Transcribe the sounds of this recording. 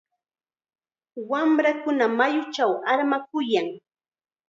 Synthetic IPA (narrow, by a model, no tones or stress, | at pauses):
wamɾakʊnamajʊt͡ʃawaɾmak̚ʊjaŋ